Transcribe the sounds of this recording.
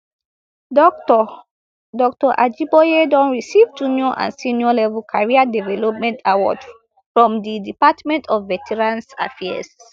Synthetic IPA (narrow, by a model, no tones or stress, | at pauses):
dɔk̚tɔʔad͡ʒibɔjedɔ̃nɹisivd͡ʒunjɔʔã̰nsinjɔlɛvɛlkʰaɹiadɛvɛlɔp̚mɛ̃ntʰawɔ̰d | fɹɔ̃mdidipatmɛ̃ntʰɔvːɛtʰɛɹãnsa̰fɛ̰s